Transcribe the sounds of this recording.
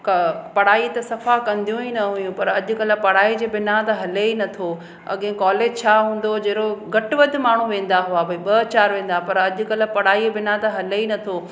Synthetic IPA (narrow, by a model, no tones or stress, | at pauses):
kɐpɐɽaːit̪ɐsɐfakɐ̃nd̪ijũinɐɦujũpɐɾɐʄʊ̆kɐl̆pɐɽaːid͡ʑeːbɪnat̪ɐɦɐleinɐt̪ʰo | ɐ̰ɠẽkɔːleːd͡ʑt͡ɕʰaːɦũːn̆d̪od͡ʑeːɾoɡʱɐʈʋɐd̪ʱʊ̆maːɳ̤ũʋẽːn̆d̪aɦuabʱɐiɓɐt͡ɕaːɾʋẽːn̆d̪apɐɾɐʄʊ̆kɐlə̆pɐɽ̤aːibɪnat̪ɐɦɐleinɐt̪ʰoː